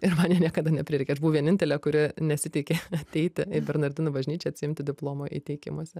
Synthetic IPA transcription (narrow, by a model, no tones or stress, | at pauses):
ɪrmɑnjiɛnʲiɛkɐd̪ɐnʲɛpʲɾʲɪɾʲɛɪkʲɛɐʃbuʋoʋʲiɛnʲɪnʲt̪ʲɛlʲeːkʊɾʲɪnʲɛsʲɪt̪ʲɛɪkʲeɐt̪ʲɛɪt̪ʲɪɪbʲɛɾnɐrʲd̪ʲɪnʊbɐʒʲnʲiːt͡ʃʲɛɐt̪ʲsʲɪɪmʲt̪ʲɪd̪ʲɪplˠoːmoːʔḭːt̪ʲɛɪkʲɪ̰muɔsʲɛ